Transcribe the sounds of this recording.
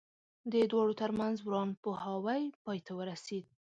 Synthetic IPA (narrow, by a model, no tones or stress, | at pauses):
d̪əd̪wɑɽot̪əɾmanzwɾɑnpohawajpɑjt̪ʰawəɾased̪̚